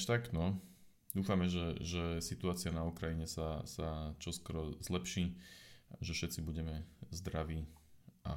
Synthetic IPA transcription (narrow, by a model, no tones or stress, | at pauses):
ʃt̪aknɔ | d̪uːfamɛʒɛʒɛsit̪uaːt͡sɪanaukɾajiɲɛsasat͡ʃɔskɔɾɔzlɛpʃiːaʒɛfʃɛt̪t͡sibuɟɛmɛzd̪ɾaʋiːa̰